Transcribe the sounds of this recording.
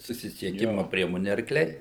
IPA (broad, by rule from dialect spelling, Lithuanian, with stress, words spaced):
sʊsʲɪsʲiɛˈkʲɪmʊ ˈpʲrʲiɛmoːnʲɪ ɐrkˈlʲɛɪ